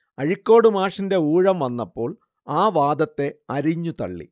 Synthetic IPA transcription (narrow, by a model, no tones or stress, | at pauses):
ɐɻikʲːo̞ːɽɨmaːʂinde̞uːɻɐmʋɐnːɐpːo̞ːɭ | aːʋaːd̪ɐt̪ːe̞ɐɾiɲːut̪ɐ̰ɭːḭ